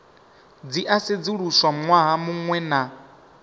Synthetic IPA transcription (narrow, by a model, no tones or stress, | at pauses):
d͡ziʔased͡ziɺuswamwaɦamuŋwɛna